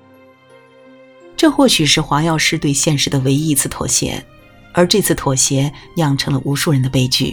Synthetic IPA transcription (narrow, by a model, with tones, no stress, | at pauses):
ʈ͡ʂɤ˥˧xwɔ˥˩ɕy˨˩ʂɻ̩˥˩xwa˧˥jɑ˥˧ʊʂɻ̩˥˧t̪we˥˧ɪɕjɛ˥˩nʂɻ̩˧˥d̪ə˧we˧˥ɪi˥˧˥t͡sʰɹ̩˥˩t̪ʰwɔ̰˨˩ɕjɛ̰˧˥ | ə˞˧˥ʈ͡ʂɤ˥˧t͡sʰɹ̩˥˩t̪ʰwɔ˨˩ɕjɛ˧˥jɑ˥˩ŋʈ͡ʂʰɤ˧˥ŋlə˧ʔu˧˥ʂu˥˩ɻə˧˥nd̪ə˧pe˥˧ɪt͡ɕy̰˥˩